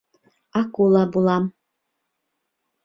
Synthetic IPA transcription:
akulˠabulˠam

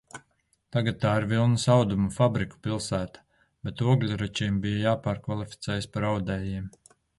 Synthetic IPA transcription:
t̪aɡat̪̚ːaːiɾvilˠnusawd̪umufabɾiku̥pilˠsæːt̪ḁ | b̥et̪uɔɡlʲuɾut͡ʃiːmbijajaːpaːɾkvalˠifʲi̥t̪sɛːjɪspaɾawd̪ɛːjiɛm

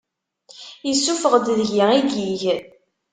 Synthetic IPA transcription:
jisːufəʁd̪ðʝiiɡiʝ

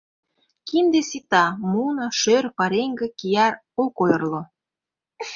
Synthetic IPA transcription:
kind̪esit̪ɑmunɑʃørpɑɾeŋɡĕkijɑr | olkojɤrlo

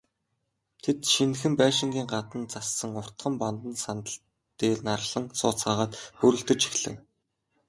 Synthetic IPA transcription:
t̪ʰet̪ʃinxɘ̆mpæːʃɪ̆ŋɡʲiːŋɢat̪ə̆nt͡sasːə̆ŋʊr̥t̪χə̆mpant̪ə̆nsant̪ə̆ɬ | t̪eːɮnarɮə̆ŋsʊːt͡sɢaːʁaːt̪xɵɾɵ̆ɬt̪ɵ̆t͡ɕi̥xɮɘ̆ŋ

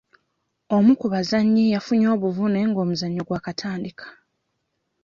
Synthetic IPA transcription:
o̞mukuβazaɲːijafuɲo̞ːβuvune̞ŋɡo̞ːmuzaɲːo̞ɡwaːkatʰaːndikʰḁ

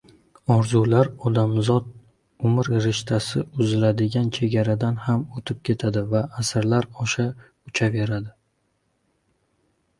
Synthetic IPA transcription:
ɒɾzulaɾɒd̪amzɒd̪ | ʊmɪɾɾɪʃt̪ʰasɪʊzɪlad̪ɪɡʲant͡ʃʰe̞ɡʲaɾad̪anhamot̪ʰɪp̚kʲʰe̞t̪ʰad̪ɪvaːsɪɾlaɾɒʃa | ʊt͡ʃʰave̞ɾad̪ɪ

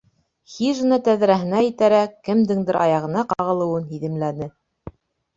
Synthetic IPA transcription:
xiʒ̆nɑt̪æðɾæɦɘ̆næjɘ̆t̪æɾækːɘ̆md̪ɘŋd̪ɘ̆ɾʔɑ̰jɑʁɤ̆nɑqɑʁɤ̆lˠɤ̆wɤnɦiðɘ̆mlænɘ

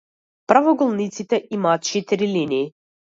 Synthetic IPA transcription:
pɾavɔɡɔlˠnit̪sit̪ɛʔimaːt̪̚t͡ʃɛt̪iɾiliniː

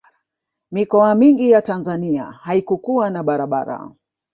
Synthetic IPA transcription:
mikɔamiŋɡijatanzania̰haikukuanaɓaɾaɓa̰ɾa̰

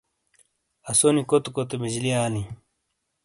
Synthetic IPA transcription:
ɐsonikot̪okot̪ebid͡ʑliaːlĩ

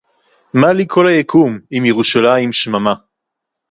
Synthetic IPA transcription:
malikʰo̞lajakʰumimjeʁuʃalaimʃmama

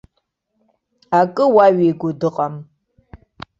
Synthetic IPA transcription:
akʼɨwaɥiːɡʷʊdɨqʼam

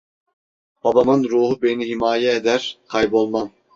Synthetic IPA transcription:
b̥ɑbɑmɯnɾuːɦubeniɦimaːjɛed̪æɾqʰɑjbolˠmɑm

